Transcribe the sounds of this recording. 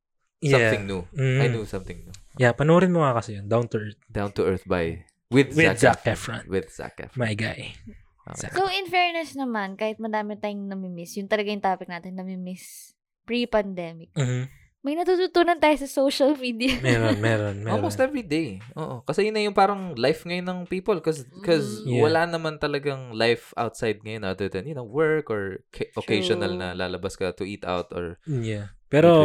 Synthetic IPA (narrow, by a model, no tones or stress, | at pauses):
jsɐ̃tɪ̃ŋnuajnjuːsɐ̃mt̪ɪ̃ŋnujapɐnːɾɪnmoɡakɐsɛjond̪awnt̪ʊɛɹt̪d̪awnt̪ʊʔɛɹt̪baj | wɪd̪wɪazkːɛfɹɐ̰̃nwɪðz̥a̰kːɛ̰fmaɪɡa̰ʔ | ʔo̰soŋʔɪnfɛɹnɛsnɐmankaːhɪt̪̚mɐd̪aːmɪt̪aːjʊŋnɐmimɪsjʊŋt̪ɐlɐɡajʊŋt̪aːpɪknaːt̪ɪnːɐmɪmɪs | pɹipɐnd̪ɛːmɪk̩̚ːh̩ | mɐjnɐt̪uːt̪uːt̪uːnɐnt̪aːjosɐsowʃɐlmiːd̪ijɐmɛɾonmɛɾonɔlmost̪ʔɛvɹid̪ejʔoːʔokɐsɛjʊnːɐjʊŋpaːɾɐŋlajfŋɐjonːɐŋpiːpolkɐskozwɐlanɐmant̪ɐlɐɡaŋlajfʔa̰wt̪sajd̪̚ŋɐjonɐd̪ɛ˞d̪ɐnjʊnowɛɹkɔɹkʰʔokejʃɔnɐlnɐ̰la̰ːlɐbaskɐt̪ʊʔiːt̪ʰa̰wt̪ɔ̰ɹjapɛɾo